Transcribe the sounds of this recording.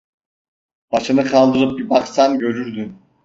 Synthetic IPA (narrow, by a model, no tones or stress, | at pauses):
b̥aʃɯnɯqʰɑlˠd̪ɯɾɯp̚baqsamɟø̞ɾyɾd̪yn